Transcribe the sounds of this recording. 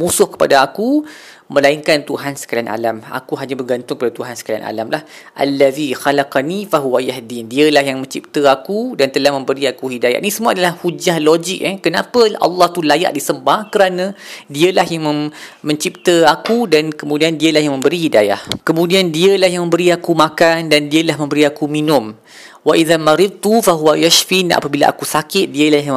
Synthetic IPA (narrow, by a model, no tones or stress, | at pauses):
mũsʊhkə̥pa̰daaku | mə̃laiŋkant̪uɦansə̥kalanʔa̰lama̰kuɦaɲabərɡant̪ʊŋkəpadat̪uɦansə̥kala̰na̰lamlah | ʔa̰lːaðixalaqnifaɦuwajaɦdindiəlahjaŋmə̃ɲt͡ʃip̚t̪əakudant̪əlahmə̃mbəɾiakuhidaja̰ʔ̪̚nisəmuadalahhud͡ʒahlod͡ʒɪk̚ɛkənapəɑ̰lːɑht̪ulaja̰ʔdisəmbahkəɾanãdiəlaɦjaŋməmə̃ɲt͡ʃip̚t̪əakudankəmũdiandiəlaɦjaŋmə̃mbəɾihidaja̰hkəmũdiandiəlaɦjaŋmə̃mbəɾiakumakandandiəlaɦmə̃mbəɾiakuminʊ̃m | waʔiðamaɾɪd̪̚t̪ufaɦuwajaʃfina̰pəbila̰ʔa̰kusakɪt̪̚diəlaɦj